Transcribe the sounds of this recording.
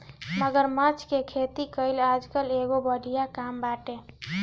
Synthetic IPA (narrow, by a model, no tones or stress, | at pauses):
məɡəɾmət͡ʃʰkekʰet̪ikəjlad͡ʒkəleɡobəɽʱijakambaʈe